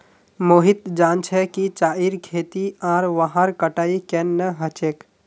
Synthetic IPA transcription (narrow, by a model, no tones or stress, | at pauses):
moːɦit̪d͡ʒaːnt͡ʃʰɛkit͡ʃaːiɾkʰeːt̪iãːɾʋaɦəɾkəʈaːikenːəɦət͡ʃeːk